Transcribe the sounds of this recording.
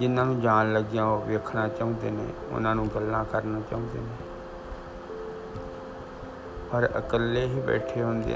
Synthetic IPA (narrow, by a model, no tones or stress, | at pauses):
d͡ʒɪnːãːnũːd͡ʒaːnləɡɪjãːoːʋeːkʰnaːt͡ʃaːũːnd̪eːnḛ̃ːʊ̰nãːnũːɡəlːãːkəɾnaːt͡ʃaːũːd̪eːneː | pəɾə̰kəlːeːɦiːbɛ̰ːʈʰeːɦõnd̪ḛː